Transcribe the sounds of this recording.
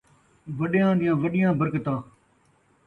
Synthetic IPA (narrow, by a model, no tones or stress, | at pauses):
ʋəɗɪjãːɗ̪ɪjãːʋəɗɪjãːbəɾkət̪ãː